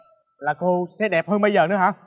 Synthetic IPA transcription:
laː˨˩ko˧sɛ̰˧˥ɗɛ˨˩p̚həː˧nɓə˧jzəː˨˩nɨ̰˧˦˥ɦaː˨˧˥

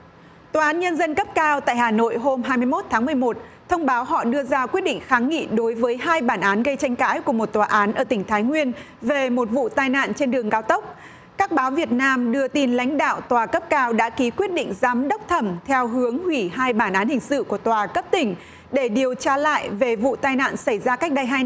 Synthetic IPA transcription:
t̪waː˨˩ʔaː˨˦nɲə˧nzə˧nkə˦˥p̚kaː˧wt̪a̰ː˧˨jɦaː˨˩no̰˧˨jɦo˧mɦaː˧jmɨ˧əjmo˦˥t̚t̪ʰaː˨˦ŋmɨ˨˩əjmo˨˩t̚t̪ʰə˧wŋ͡mɓaː˨˦wɦɔ̰˧˨ɗɨ˧əzaː˧kwi˦˥ət̚ɗḭ˧˨ŋ̟xaː˨˦ŋŋḭ˧˨ɗo˨˦jvəː˨˦jɦaː˧jɓaː˧˩nʔaː˨˦nɣə˧jt͡ɕa˧jŋ̟ka̰ː˧˥jku˧˩əmo˨˩t̚t̪waː˨˩ʔaː˨˦nʔəː˧˩t̪ï˧˩ŋ̟t̪ʰaː˨˦jŋwi˧ən | ve˨˩mo˨˩t̚vṵ˧˨t̪aː˧jna̰ː˧˨nt͡ɕe˧nɗɨ˨˩əŋkaː˧wt̪ə˦˥wk͡p̚ | kaː˦˥k̚ɓaː˨˦wvi˨˩ət̚naː˧mɗɨ˧ət̪i˧˩nla̰˧˥jŋ̟ɗa̰ː˧˨wt̪waː˨˩kə˦˥p̚kaː˧wɗa̰ː˧˥ki˨˦kwət̚ɗḭ˧˨ŋ̟zaː˨˦mɗə˦˥k͡p̚t̪ʰə˧˩mt̪ʰɛ˧wɦɨ˨˦əŋhwi˧˩ɦaː˧jɓaː˧˩nʔaː˨˦nhï˨˩ŋ̟sɨ̰˧˨ku˧˩ət̪waː˨˩kə˦˥p̚t̪ï˧˩ŋ̟ | ɗe˧˩ɗi˨˩əwt͡ɕaː˧la̰ː˧˨jve˨˩vṵ˧˨t̪aː˧jna̰ː˧˨nsa˧˩jzaː˧ka˦˥k̟̚ɗa˧ja˧j

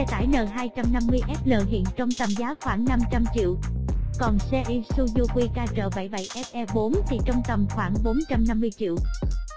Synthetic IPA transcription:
ɛ˧t̪a̰ː˧˩˨jnəː˨˩ɦaː˧jt͡ɕa˧mna˧mːɨ˧əjʔɛ˦˥p̚ləː˧˨˩ɦḭ˧˨ənt͡ɕɔ˧wŋ͡mt̪ə˨˩mzaː˨˦xwaː˧˩ŋna˧mt͡ɕa˧mt͡ɕḭ˧˨əwkɔ˨˩nsɛ˧ʔi˧su˧zu˧kwi˧kaː˧t͡ɕə̰ː˧˨˩va̰˧˩jɓa̰˧˨jʔɛ˦˥p̚ʔɛ˧ɓo˨˦nt̪ʰi˨˩t͡ɕə˧wŋ͡mt̪ə˨˩mxwaː˧˩ŋɓo˨˦nt͡ɕa˧mna˧mːɨ˧əjt͡ɕḭ˧˨əw

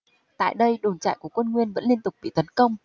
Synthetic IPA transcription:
t̪a̰ː˧˨jɗə˧jɗo˨˩nt͡ɕa̰ː˧˨jku˧˩əkwə˧nŋwi˧ənvə̰˧˥nli˧ənt̪ʊ˨˩k͡p̚ɓḭ˧˨t̪ə˨˦nkə˧wŋ͡m

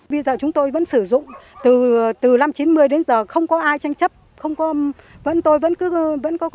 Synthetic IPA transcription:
ɓə˧zəː˨˩t͡ɕʊ˨˦ŋ͡mt̪o˧jvə̰˧˥nsɨ˧˩zʊ̰˧˨ŋ͡mt̪ɨ˨˩t̪ɨ˨˩la˧mt͡ɕi˨˦nmɨ˧əjɗe˨˦nzəː˨˩xə˧wŋ͡mkɔ˨˦ʔaː˧jt͡ɕa˧jŋ̟t͡ɕə˦˥p̚ | xə˧wŋ͡mkɔ˨˦ | və̰˧˥nt̪o˧jvə̰˧˥nkɨ˨˦və̰˧˥nkɔ˨˦

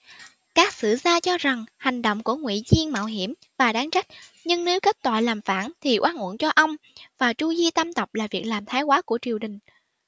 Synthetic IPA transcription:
kaː˦˥k̚sɨ̰˧˨zaː˧t͡ɕɔ˧za˨˩ŋha˨˩jŋ̟ɗo̰˧˨wŋ͡mku˧˩əŋwḭ˧˨zi˧ənma̰ː˧˨wɦi˧˩əm | vaː˨˩ɗaː˨˦ŋt͡ɕa˦˥k̟̚ɲɨ˧ŋne˨˦wke˦˥t̚t̪wa̰ː˧˨jlaː˨˩mfaː˧˩nt̪ʰi˨˩ʔwaː˧nŋṵ˧˩ənt͡ɕɔ˧ʔə˧wŋ͡mvaː˨˩t͡ɕu˧zi˧t̪a˧mt̪ə˨˩wp̚laː˨˩vi˨˩ək̚laː˨˩mt̪ʰaː˨˦jkwaː˨˦ku˧˩ət͡ɕi˨˩əwɗï˨˩ŋ̟

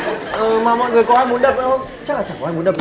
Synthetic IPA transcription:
ʔəː˨˩maː˨˩mɔ̰˧˨jŋɨ˨˩əjkɔ˨˦haː˧jm˨ənɗə˨˩p̚ʔə̰˧˨˥ə˧ŋ͡mt͡ɕa˦˥k̚laː˨˩t͡ɕaː˧˩kɔ˨˦aː˧jmu˨˦ɗə˨˩

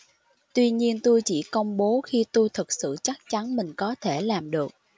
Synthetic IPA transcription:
t̪wi˧ɲi˧ənt̪u˧jt͡ɕḭ˧˩kə˧wŋ͡mɓo˨˦xi˧t̪u˧jt̪ʰɨ˨˩k̚sɨ̰˧˨t͡ɕa˦˥k̚t͡ɕa˨˦nmï˨˩ŋ̟kɔ˨˦t̪ʰe˧˩laː˨˩mɗɨ˨˩ək̚

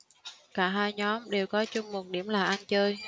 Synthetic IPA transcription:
kaː˧˩ɦaː˧jɲɔ˨˦mɗe˨˩wkɔ˨˦t͡ɕʊ˧ŋ͡mmo˨˩t̚ɗi˧˩əmlaː˨˩ʔa˧nt͡ɕəː˧j

